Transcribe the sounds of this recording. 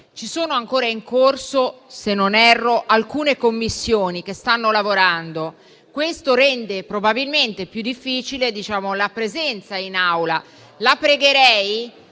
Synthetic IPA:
t͡ʃisoːnoaŋkoːɾaiŋkorsosenːonɛrːoʔalkuːnekomːisːjoːnik̟est̪anːolavoɾand̪o | kwest̪oɾɛnd̪epɾobabilment̪epjud̪ːifːiːt͡ʃiled̪it͡ʃaːmolapɾezɛnt̪sainawla | lapɾeɡeɾɛj

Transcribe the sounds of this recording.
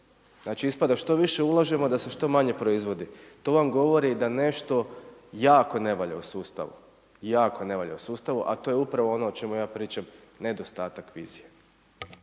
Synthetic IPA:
znaːt͡ʃiispad̪aʃt̪o̞ʋiʃe̞ulˠaʒe̞mo̞d̪ase̞ʃt̪o̞maɲe̞pɾo̞izʋo̞d̪it̪o̞ʋamɡo̞ʋo̞ɾid̪ane̞ʃt̪o̞jaːko̞ne̞ʋaʎa̰usuːst̪a̰ʋṵ | jaːkone̞ʋaʎa̰usuːst̪aʋuʔa̰t̪o̞jeupɾaʋo̞o̞no̞ot͡ʃe̞mujaːpɾiːt͡ʃamne̞d̪o̞st̪aːt̪akʋḭːzije̞

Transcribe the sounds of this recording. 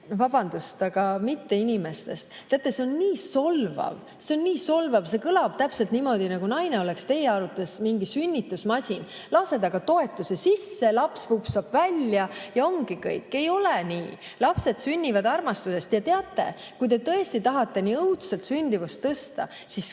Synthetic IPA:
vɑb̥ɑnd̪̥ust̪ɑɡ̥ɑmit̪ːe̞inime̞st̪e̞̰st̪t̪ːeɑt̪ːˑe̞se̞o̞nniːso̞lvɑ̰v | se̞o̞nːiːso̞lvɑv̥se̞kɯlɑb̥t̪æpse̞lt̪nimo̞d̪̥inɑɡunɑjne̞o̞le̞kst̪e̞jeɑɾut̪ːˑesmiŋɡisynʲːit̪ːˑusmɑsʲin | lɑse̞d̪̥ɑɡ̥ɑt̪o̞e̞t̪ːˑuse̞sisːe̞lɑpsvupsɑb̥vælʲjɑjɑo̞ŋɡ̥ikɤ̰jkːˑe̞jo̞leniː | lɑpse̞d̪synʲːivɑd̪ɑrmɑst̪use̞st̪jɑt̪e̞ɑt̪ːˑe̞̰kujt̪e̞t̪ɤ̞e̞st̪it̪ɑɦɑt̪ːˑe̞niːɤwt̪selt̪synʲd̪̥ivust̪ːɤst̪ɑ̰ | sis

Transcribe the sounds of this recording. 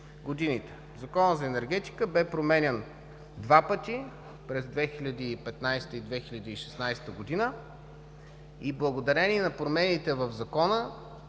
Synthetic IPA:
ɡod̪init̪ɛ̥ | zɐkɔnəzɐɛnɛɾɡʲɛt̪i̥kəbɛpɾomɛnʲɛn | d̪vapət̪i | pɾɛzd̪vɛxilʲɐd̪iːpɛt̪najst̪əid̪vɛxilʲɐd̪iːʃɛ̥snajst̪əɡod̪inə | iblˠəɡod̪ɐɾɛnʲiɛnɐpɾomɛnit̪ɛvəvzɐkɔnə

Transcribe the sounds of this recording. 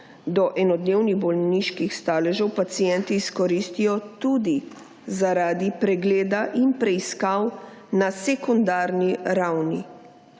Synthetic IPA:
d̪ɔʔɛnɔd̪neːwniɣbɔlniʃkixst̪aːlɛʒɛwpat̪sijɛnt̪iːskɔɾist̪ijɔt̪ud̪i | zaɾaːd̪ipɾɛɡleːd̪aʔinpɾɛiskaw | nasɛkɔnd̪aːɾniɾawni

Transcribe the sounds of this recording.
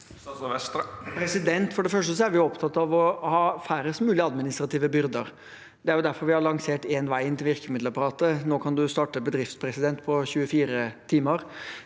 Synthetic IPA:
ʋɛst̪pʰɾɛsɪd̪ɛnt̪fɔɖɛfœʂʈəsɔæɾʋɪjʊɔpt̪ʰɑt̪ːɑʋɔhɑːfæɾəst̪mʉːlɪəɑd̪mɪnɪst̪ɾɑt̪iːʋəbʏɾd̪əɾ | d̪ɛæɾjʊd̪æɾfɔɾʋɪhɑɾɭɑŋseːʈeːnʋæɪɪnt̪ɪlʋɪɾkəmɪd̪ləɾpɑɾɑːt̪ənoːkʰɑnd̪ʉst̪ɑːʈəbəd̪ɾɪft̪spʰɾɛsɪd̪ɛnt̪pʰɔçʉːəfiːɾət̪ʰiːməɾ

